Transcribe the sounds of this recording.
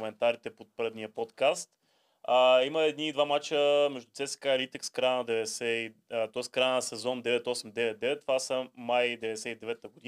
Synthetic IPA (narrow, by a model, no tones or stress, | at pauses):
mɛnt̪aɾit̪ɛpot̪̚pɾəd̪nijəpot̪kast̪ | əiməɛd̪niːd̪vamat͡ʃəmɛʒd̪ut̪sɛsɛ̥kaɛlit̪ɛkskɾajnəd̪ɛvɛd̪ɛsɛit̪ɔiskɾajənəsɛzɔnd̪ɛvɛt̪ɔsɛmd̪ɛvɛt̪̚d̪ɛvɛt̪t̪ːvasəmajd̪ɛvɛd̪ɛsɛid̪ɛvɛt̪əɡod̪i